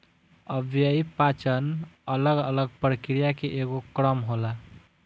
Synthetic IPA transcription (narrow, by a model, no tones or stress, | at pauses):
əbʱjəipat͡ʃənələɡələɡ̚pɾəkɾijakeʔeɡokɾəmɦola